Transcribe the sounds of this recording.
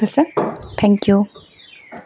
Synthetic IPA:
sət̪ʰɛ̃ŋkju

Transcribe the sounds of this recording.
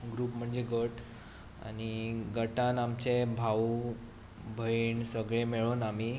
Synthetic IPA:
ɡɾuːpm̤əɳd͡zeɡəʈ | a̰ñiɡəʈanamt͡ɕebʱaw | bʱəiɳsəɡɭemeɭoːnami

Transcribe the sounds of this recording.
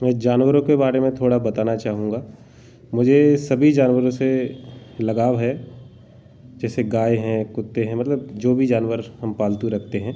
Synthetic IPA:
mɛ̃ːd͡ʒaːnwəɾõkebaːɾemẽt̪ʰoːɽabɐt̪aːnat͡ʃaːɦũŋɡaː | mʊd͡ʒʱesɐbʱid͡ʒaːnwəɾõse | lɐɡaːwɦɛ | d͡ʒɛːseɡaːeɦɛ̃kʊt̪ːeɦɛ̃mɐt̪ləbd͡ʒoːbʱid͡ʒaːnwəɾhɐmpaːlt̪ũɾɐk̚ʰt̪eɦɛ̃ː

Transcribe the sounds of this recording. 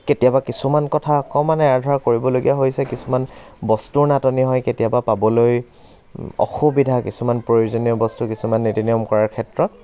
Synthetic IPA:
ketijabakisumankɔtʰaɔkɔmanɛaɹdʱaɹkoɹibɔloɡḭjaɦojsɛkisumanbɔstuɹnatɔniɦɔjketijabapabɔloj | ɔ̰xubidʱakisumanpɹojuzoniɔbɔstukisumanːitiniɔmkɔɹaɹkʰɛtɹɔt̚

